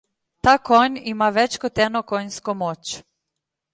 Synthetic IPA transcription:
t̪akoɲimaʋet͡ɕkot̪enokoɲskomot͡ɕ

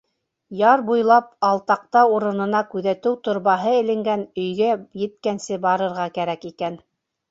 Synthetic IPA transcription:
jɑɾbujlˠɑp̚ɑlˠt̪ɑq̚t̪ɑuɾɤ̆nɤ̆nɑkʉðæt̪ɘwt̪ŏɾβɑɦɤɘ̆lɘ̆ŋɡænɵ̆jɡæjɘ̆t̪̚kænsɘbɑɾɤ̆ɾʁɑkæɾækikæn

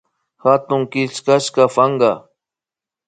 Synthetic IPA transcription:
hat̪ʊŋkɪskaʃkafaŋɢɑ

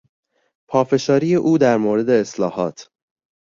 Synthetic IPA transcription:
pʰɒːfe̞ʃɒːɾijeʔuːd̪æɾmoːɾe̞d̪e̞ːslɒːhɒ̰ːt̪ʰ

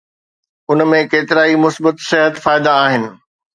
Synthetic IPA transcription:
ʊnmẽkeːt̪ɪɾaːimʊsbət̪sɪɦət̪faːɪd̪aːɦɪnɪ̆

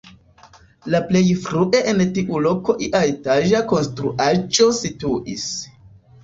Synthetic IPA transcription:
laple̞jfɾuʔe̞ʔentiʔulo̞ko̞ʔiʔaetaʒako̞nstɾuʔad͡ʒo̞situʔis

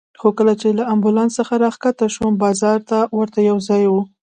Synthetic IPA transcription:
xokəlat͡ʃelaambulɑnsəxaɾɑxkat̪aʃwəmbɑzɑɾt̪awəɾt̪ajawzɑjwu

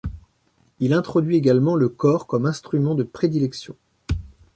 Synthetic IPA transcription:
ilɛ̃t̪χɔd̪ɥieɡalmɑ̃ləkɔʁkɔmɛ̃st̪χymɑ̃d̪əpχed̪ilɛksjɔ̃

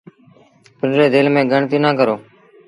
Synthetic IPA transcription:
pɪɳɖɾeːd̪eːlmẽːɡəɳt̪iːnãːkəɾoː

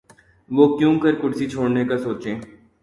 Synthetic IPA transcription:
ʋoːkjũkɐɾkʊɽsit͡ʃʰoːɽnekasoːt͡ʃẽː

